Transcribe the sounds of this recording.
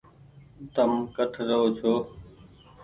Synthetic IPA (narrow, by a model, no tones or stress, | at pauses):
t̪əmkəʈʰɾəɦoːt͡ʃʰoː